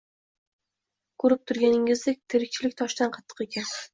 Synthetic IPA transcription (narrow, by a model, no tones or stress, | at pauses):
kʰʊɾɪp̚t̪ʰʊɾɡʲanɪŋɪzd̪ek̚ʲt̪ʰeɾɪk̚ʲt͡ʃʰɪlɪkʲt̪ʰɒʃd̪anqʰɑt̪ʰːɨ̥qekʲʰan